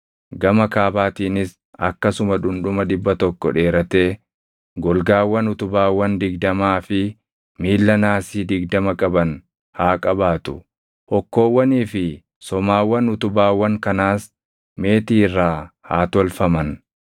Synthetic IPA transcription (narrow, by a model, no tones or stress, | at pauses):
ɡɐmɐkaːbaːt̪iːnɪs | ɐkːɐsʊmɐᶑʊnᶑʊmɐd̪ɪbːɐt̪ɔkːɔᶑe̞ːɾɐt̪e̞ː | ɡɔlɡaːwːɐnʊt̪ʊbaːwːɐnd̪ɪɡd̪ɐmaːfɪ | miːlːɐnaːsiːd̪ɪɡd̪ɐmɐkʼɐbɐn | haːkʼɐbaːt̪ʊ̰ | hɔkːo̞ːwːɐniːfɪ | sɔmaːwːɐnʊt̪ʊbaːwːɐŋkɐnaːs | me̞ːt̪iːrːaːhaːt̪ɔlfɐmɐn